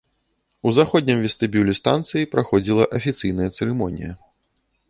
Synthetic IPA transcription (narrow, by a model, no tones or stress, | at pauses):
uzaxɔd̪ʲnʲimvʲɛst̪ɨbʲulʲɛst̪a̰nt̪sɨjipɾaxɔd͡zʲilˠɐʔɐfʲit̪sɨjnɐjɐt̪sɛɾɨmɔnʲḭjɐ̰